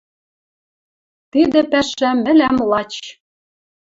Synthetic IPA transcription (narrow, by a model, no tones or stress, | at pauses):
t̪id̪ɘ̆pæʃæmɘ̆læmlˠɑt͡ɕ